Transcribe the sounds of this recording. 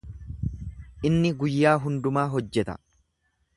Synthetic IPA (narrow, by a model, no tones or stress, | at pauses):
ʔɪnːɪɡʊjːaːɦʊnd̪ʊmaːɦɔd͡ʒːɛt̪ɐ̥̰